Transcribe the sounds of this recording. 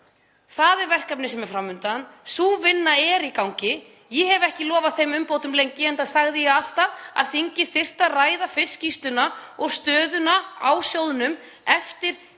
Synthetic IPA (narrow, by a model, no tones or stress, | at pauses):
θaðɛɾvɛr̥kapnɪsɛmɛɾ̥fɾamːʏnt̪ansuːvɪnːaɛɾikawŋcɪ | jɛhɛvɛhcɪlɔːvaðθejmʏmpowt̪ʏmlejɲcɪɛnθaðsaɣðɪjɛɣal̥t̪aa̰ðθiɲcɪθɪr̥t̪araːjðafɪscist̪ʏnaɔɣst̪œːðʏnaawsjowðʏnʏm | ɛft̪ɪɾ̥